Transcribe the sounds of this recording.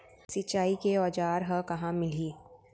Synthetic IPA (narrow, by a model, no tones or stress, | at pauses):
sit͡ʃaːikeɔːd͡ʒaːɾɦəkɐɦãmɪliː